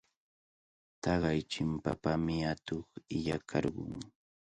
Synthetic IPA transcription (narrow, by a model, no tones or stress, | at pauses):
t̪ɑɢɑjt͡ʃɪmpa̰pamɪat̪oχɪʎakʰɑ̰ɾɢʊŋ